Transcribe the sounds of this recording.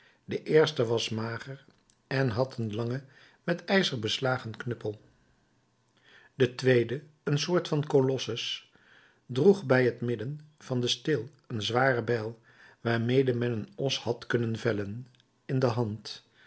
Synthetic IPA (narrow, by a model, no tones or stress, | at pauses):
dəʔɪːɹstəʋɑsmaːχəɹ | ɛnɦɑtʰənlɑŋə | mɛtɛjzəɹbəslaːχənknɵpəlˠ | dətʋejdə | ənsʊːɹtfɑnkolɔsəs | druχbɛjɦətmɪdənv̥ɑndəstɪlˠ | ənzʋaːrəbɛlˠ | ʋaːɹmejdəmɛnənɔshɑtkɵnənvɛlən | ɪndəɦɑnt